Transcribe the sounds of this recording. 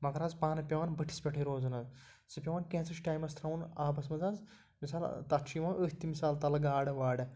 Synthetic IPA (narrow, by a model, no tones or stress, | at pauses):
mɐkɐɾaːzpaːnɐpʲoːnbɨʈʰi̥spʲɐʈʰiɾoːzɐnɐz | sɨpʲjoːnkʲẽːt͡sɐʃʈaːjmɐst̪ʰɾɐwnaːpɐsmɐzanz | misaːlt̪ɐtʃʰiʋãːʔəɦt̪imisaːlt̪ɐlɐɡaːɖɐʋaːɖɐ